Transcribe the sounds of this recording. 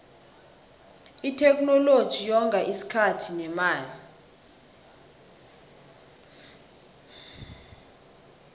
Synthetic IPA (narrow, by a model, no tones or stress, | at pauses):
itʰɛk̬nɔlod̥ʒ̥ʱijɔŋɡʱaʔisi̥kʰatʰinɛmaːli